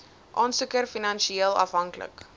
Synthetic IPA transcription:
ʔɑːnsukərfinɐnʃieəlˠɐ̰fɦɐŋklə̰k

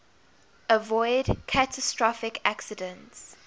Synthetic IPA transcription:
əvɔɪdkʰatʰəstɹɔfɪkʰaksɪdə̃nts

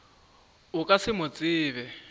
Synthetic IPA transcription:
ʊkʼasɪmʊt͡sʼɪːβɛ

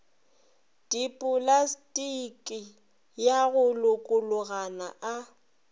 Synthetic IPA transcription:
d̥ʼipʼʊlastʼikʼɪ | jaɣʊlʊkʼʊlʊɣana̰ʔa

